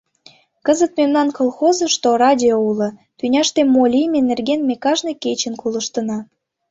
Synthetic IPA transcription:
kəzət̪memnɑnkolˠxozə̆ʃt̪orɑdʲioulɤ̆t̪ynʲɑʃt̪emːolʲijmʲenerɡenmekɑʒneket͡ɕə̆nkulə̆ʃt̪ə̆nɑ

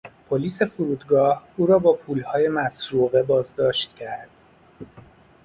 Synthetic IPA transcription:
pʰoliːse̞fuɾuːd̪ɡɒːhuːɾɒːbɒːpʰuːlhɒːje̞mæsɾuːɣe̞bɒːzd̪ɒːʃt̪cʰæɾd̪̥

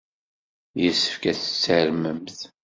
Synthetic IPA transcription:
jəsːə̥fkæθə̥t͡sːəɾməmθ

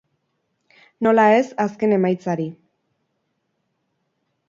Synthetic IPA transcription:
no̞lae̞saske̞ne̞majt͡saɾi

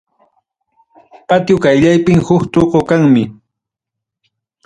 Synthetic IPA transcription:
pat̪jʊkajʎajpɪŋhʊkt̪oqokaŋmɪ

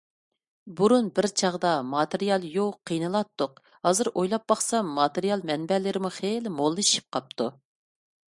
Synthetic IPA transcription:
buɾunbɪɾt͡ʃʰɑʁd̪ɑmɑt̪eɾijɑlˠjowqʰːijnɨlˠɑt̪ːʊq | hɑːzɨɾʔojlˠɑp̚ːɑχsɑmːɑt̪eɾijɑlˠmɛnbɛlɪɾɪmuχelmolˠːɨʃi̥p̚qʰɑp̚t̪ʰu

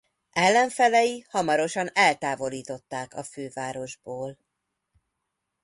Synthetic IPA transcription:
ɛlːɛɱfɛlɛjihɒmɒɾo̞ʃɒnɛlt̪aːvo̞liːt̪o̞t̪ːaːkɒføːvaːɾo̞ʒboːl

